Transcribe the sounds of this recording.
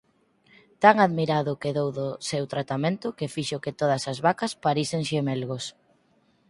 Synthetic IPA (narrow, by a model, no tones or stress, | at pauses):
t̪aŋaðmiɾaðʊkeðowðosewt̪ɾat̪amẽnt̪ʊkefiʃoket̪oð̞ɐsɐzβakɐspaɾiseŋʃemelɣos